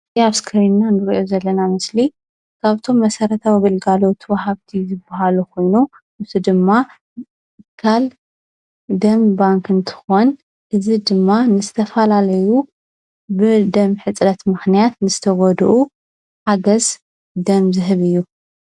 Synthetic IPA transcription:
aβskʰɐɾinːanɨɾʔozɐlːɐnamɨsli | kʰaβt̪ʰo̞mːɐsɐɾɐt̪ʰawiɡɨlɡalo̞t̪ʰwɐhaβt̪ʰizɨbaɦalukʰo̞jnu | ʔɨzʰud̪ɨmːa | kʰal | d̪ɐmbaŋkɨnt̪ʰɨ̥xon | ʔɨzid̪ɨmːanɨzɨt̪ʰɐfɐlalɐju | bɨd̪ɐmħɨt͡sʼɾɐt̪mɨxnijat̪nɨzɨt̪ʰɐɡɔd̪ʔu | ħaɡɐz | d̪ɐmzɨɦɨβɨjːu

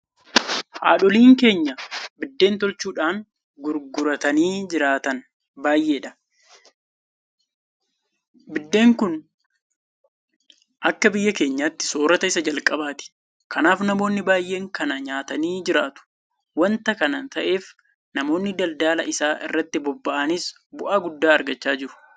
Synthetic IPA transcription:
ha̰ːᶑɔliːŋke̞ːɲːɐbɪd̪ːe̞ːnt̪ɔlt͡ʃuːᶑaːŋ | ɡʊɾɡʊɾɐt̪ɐniːd͡ʒɪɾaːt̪ɐn | baːjʔe̞ːᶑɐ̥ | bɪd̪ːe̞ːŋkʊn | ʔɐkːɐbɪjːɐke̞ːɲːaːt̪ːɪ̥so̞ːɾɐt̪ɐɪsɐd͡ʒɐlkʼɐbaːt̪ɪ̥ | kɐnaːfnɐmo̞ːnːɪbaːjʔe̞ːŋkɐnɐɲaːt̪ɐniːd͡ʒɪɾaːt̪ʊ̥ | wɐnt̪ɐkɐnɐnt̪ɐʔe̞ːf | nɐmo̞ːnːɪd̪ɐld̪aːlɐʔɪsaːʔɪ̰rːɐt̪ːɪbɔbːɐʔɐnɪs | bʊʔaːɡʊd̪ːaːɐɾɡɐt͡ʃːaːd͡ʒɪɾʊ̥

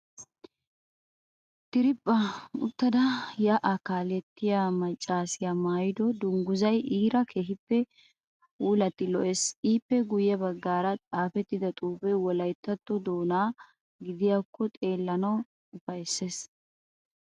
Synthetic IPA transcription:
t̪ɪɾɪpʼːɐʊ̰t̪ːɐd̪ɐjɐʔɐkaːlɛt̪ːɪjamɐt͡ʃʼːaːsɪjamaːjɪd̪ɔd̪ʊŋɡʊzɐjiːɾɐkʰeːɦɪpːɛ | uːlɐt̪ːɪlɔʔesiːpːɛɡʊjɛbɐɡːaːɾɐt͡sʼaːfɛt̪ːɪd̪ɐt̪ʼuːbɛwɔlɐjt̪ːɐt̪ːɔd̪oːnaː | ɡɪd̪ɪjaːkːɔt̪ʼe̞ːlːɐnɐw | ʊfɐjsːeːs

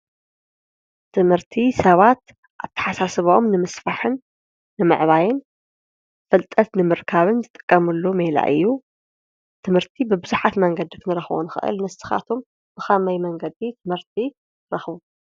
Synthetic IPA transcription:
t̪ʰɨmhɨɾt̪ʰisɐβat̪̚ | ʔaβt̪ʰɐ̥ħasasɨβomnɨmɨsfaħɨnː | ɨmɨ̰ʕβajɪn | fɐlt̪ʼɐt̪nɨmɨɾkʰaβɨnzɨt̪ʼɨ̥kʼːɐmɨlːomela̰ʔɨ̰jːu | t̪ʰɨmhɨɾt̪ʰibɨbɨzuħat̪mɐŋɡɐd̪ikʰɨnɨɾɐxβo̰nɨxɨ̰ʔɨ̰lnɐsɨ̥xa̰t̪ʰom | b̥ɨxɐmɐjmɐŋɡɐd̪it̪ʰɨmhɨɾt̪ʰi | ɾɐxβu

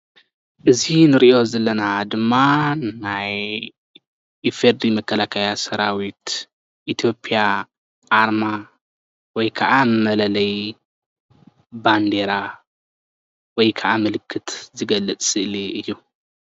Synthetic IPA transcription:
ʔɨzinɨɾiʔo̞zɐlːɐnad̪ɨmːanaj | ifeɾd̪imɐkʰːɐlakʰɐjasɐɾawit̪ | ʔit̪ʰjo̞pʼija | ʔaɾma | wɔjkʰɐʔamɨmɐlɐlɐj | band̪e̞ɾa | wɔjkʰɐʔamɨlɨkʰːɨt̪ʰzɨɡɐlːɨt͡sʼsʼɨʔliɨjːu

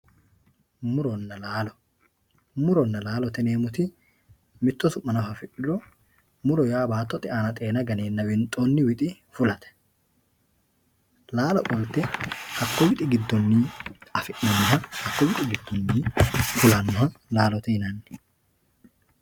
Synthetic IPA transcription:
mʊɾɔnːɐlaːlɔ | mʊɾɔnːɐlaːlɔt̪ɛneːmʊt̪ɪ | mɪt̪ːɔsʊʔːɐnɐfɐfɪʔlɔ | mʊɾɔjaːbaːt̪ːɔt̪ʼɪʔaːnɐt̪ʼe̞ːnɐɡɐneːnːɐwɪnt̪ʼoːnːɪwɪt̪ʼɪ | fʊlɐt̪ɛ̥ | laːlɔkʼɔlt̪ɛhɐkːɔwɪt̪ʼɪɡɪd̪ːɔnːiːɐfɪʔːɐnːɔɦɐhɐkːɔwɪt̪ʼɪɡɪd̪ːɔnːiːfʊlɐnːɔhɐlaːlɔt̪ɛhɪnɐnːɪ̥

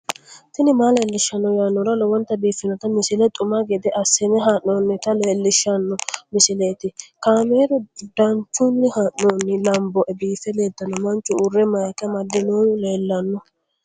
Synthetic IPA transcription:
t̪ɪnɪmaːleːlːɪʃːɐnːɔjanːɔɾɐlɔwɔnt̪ːɐbiːfɪnɔt̪ɐmɪsɪlɛt̪ʼʊmaɡɛd̪ɛʔɐsɪnɛɦaʔnoːnːɪt̪ɐleːlːɪʃːɐnːɔmɪsɪleːt̪ɪkaːmeːɾɔd̪̥ɐnt͡ʃːʊnːɪhaʔnoːnːɪlɐmbɔʔɛbiːfɛleːd̪ːɐnːɔmɐnt͡ʃʼːʊʊrːɛmɐjɐkːɛmɐd̪ːɪnoːleːlːɐnːɔ

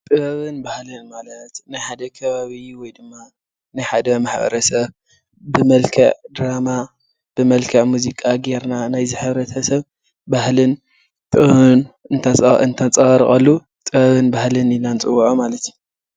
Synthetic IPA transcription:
t̪ʼɨβɐβɨnbahlɨnmalɐt̪najħad̪ɐkʰɐβaβiwɔjd̪ɨmːa | najħad̪ɐmaħbɐ̰ɾɐsɐβ | bɨmɐlkʰɐʕd̪ɾama | b̥ɨmɐlkʰɐʕʔmuzikʼaɡeɾnanajzɨħɨβɾɐt̪ʰɐsɐβ | bahlɨn | t̪ʼɨnɨnt̪ʰaɨnt̪ʰat͡sʼɐɐɾḭχʼɐlːu | t̪ʼɨβɐβɨnbahlɨnilant͡sʼɨwːuʕomalɐt̪ju

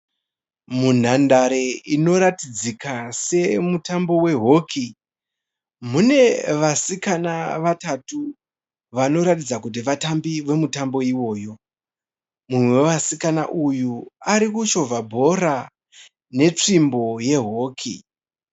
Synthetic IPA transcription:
mun̤andaɾeino̞ɾatid͡zikase̞mutambo̞we̞ɦo̞kʰi | mune̞ʋasikanaʋatatu | ʋano̞ɾatid͡zakut̬iʋatambiʋe̞mutambo̞iwo̞ːjo̞ | mumweʋasikana̰ʔujuaɾikuʃo̞vʱabʱo̞ra | ne̞t͡ʂimbo̞je̞ɦo̞ːkʰḭ

